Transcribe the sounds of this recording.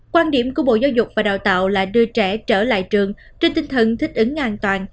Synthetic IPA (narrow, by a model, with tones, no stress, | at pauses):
kwaː˧nɗi˧˩əmku˧˩əɓo̰˧˨zaː˨˦wzʊ˨˩k͡p̚vaː˨˩ɗaː˨˩wt̪a̰ː˧˨wlaː˨˩ɗɨ˧ət͡ɕɛ˧˩t͡ɕəː˧˩la̰ː˧˨jt͡ɕɨ˨˩əŋ | t͡ɕe˧nt̪ï˧ŋ̟t̪ʰə˨˩nt̪ʰï˦˥k̚ʔɨ˨˦ŋʔaː˧˩nt̪waː˨˩n